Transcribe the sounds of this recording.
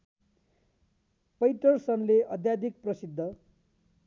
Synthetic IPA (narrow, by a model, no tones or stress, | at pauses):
pʌjt̪ʌrsʌnleʔʌd̪jad̪ik̚prʌsid̪ʱːʌ